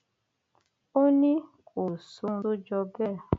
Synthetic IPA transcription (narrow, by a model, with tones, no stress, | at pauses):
o˦nĩ˦ | kʰo˨su˧˦ɾu˦d͡ʒɔ˧bɛ˦˨